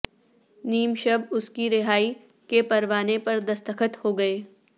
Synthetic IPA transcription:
niːmʃɐbʊskiɾɪɦaːi | kepɐɾʋaːnepɐɾd̪ɐst̪əxət̪hoːɡɐeː

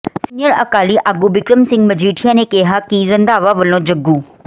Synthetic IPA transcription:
sinjəɾɐkaːliʔaːɡuʋɪkɾəmsɪ̃ŋɡmɐd͡ʑʱiːʈʰijanẽkeːɦakiɾɐ̃nd̪aːʋaʋɐlõd͡ʑɐɡuː

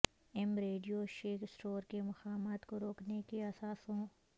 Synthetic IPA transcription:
ɛmɾeːɖijoʃeːksʈoːɾkemɐxaːmaːt̪koɾoːknekeɐsaːsɦõː

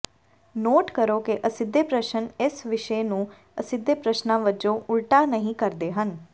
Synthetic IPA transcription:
noːʈkəɾoːkeʔəsɪd̪ːeːpɾəʃənɪsʋɪʃeːnũː | əsɪd̪ːeːpɾəʃnãːʋəd͡ʒõːʔʊlʈaːnəɦĩːkəɾd̪eːɦən

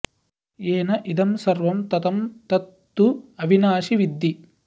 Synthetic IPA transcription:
eːnɐʔid̪ɐmsɐɾʋɐmt̪ɐt̪ɐmt̪ɐt̪ːuɐbʱinaːʃiʋid̪ːi

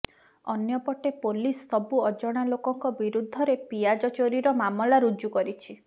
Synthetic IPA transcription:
ɔnjɔpɔʈepolisːɔbuɔd͡ʒɔɽ̃alokɔŋkɔbiɾud̪ʱːɔɾepiad͡ʒɔt͡ʃoɾiɾɔmamɔlaɾud͡ʒukɔɾit͡ʃʰi

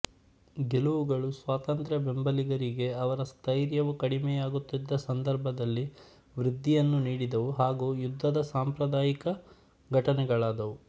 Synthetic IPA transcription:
ɡeluʋuɡɐɭusʋaːt̪ɐnt̪ɾɐbembɐliɡɐɾiɡe̞ɐʋɐɾɐst̪ʰɐjɾjɐʋukɐɽimɛːjaːɡut̪ːid̪ːɐsɐnd̪ɐɾbʱɐd̪ɐlːi | ʋɾid̪ʱːijɐnːuniːɽid̪ɐʋuɦaːɡuːjud̪ʱːɐd̪ɐsaːmpɾɐd̪aːjikɐ | ɡʱɐʈɐnɛɡɐɭaːd̪ɐʋu

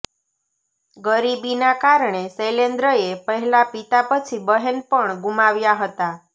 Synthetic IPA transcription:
ɡəɾibinakaɾɳ̃eselend̪ɾəepəɦɛlapit̪apət͡ʃʰibəɦenpəɳɡumaʋjaɦət̪a

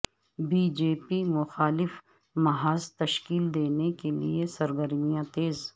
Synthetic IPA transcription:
biːd͡ʒeːpimʊxaːlɪf | mɐɦaːzt̪ɐʃkiːld̪eːnekelḭesɐɾɡəɾmijãt̪eːz

